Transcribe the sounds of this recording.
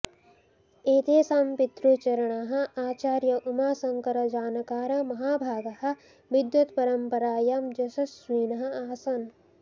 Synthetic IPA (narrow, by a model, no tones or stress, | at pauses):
eːt̪eːsaːmpit̪ɾut͡ʃɐɾɐɳaːɦɐ̆aːt͡ʃaːɾjɐʔumaːsɐŋkɐɾɐd͡ʒaːnɐkaːɾɐmɐɦaːbʱaːɡɐhɐ̆ | ʋid̪jut̪pɐɾɐmpɐɾaːjɐmd͡ʒɐʃɐsʋiːnɐɦɐ̆aːsɐn